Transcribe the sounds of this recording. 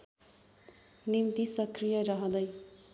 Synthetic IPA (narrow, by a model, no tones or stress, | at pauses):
nint̪isʌkrijʌɾʌɦʌ̃d̪ʌj